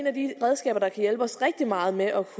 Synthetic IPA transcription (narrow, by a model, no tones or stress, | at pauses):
næd̥iʁɛð̞ˠsɡ̥ɛ̰ːb̥ɐd̥ɑ̈kʰæjelb̥ɒ̽sʁɛɡ̥̚d̥imɑ̈ːð̞̩ˠmeʔɒ̽kʰ